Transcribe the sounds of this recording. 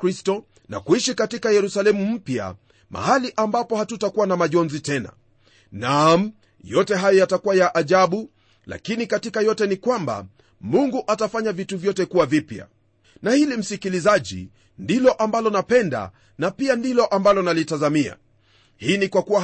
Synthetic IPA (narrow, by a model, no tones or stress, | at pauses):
kɾistɔ | na̰kuiʃikatikajɛɾusalɛmum̩pja̰ | mʔa̰haliʔambapɔhatutakuwanamaʄɔnzitɛna̰ | nam | jɔtɛɦajɔjatakuwajaʔːʄaɓu | la̰kinikatikajɔtɛnikwamba̰ | muŋɡuʔatafaɲavituvjɔtɛkuwavipja̰ | nahilim̩sikilizaʄḭ | ndilɔʔambalɔnapɛnda̰ | napiandilɔʔambalɔnalitazamia̰ | hiːnikwakuwa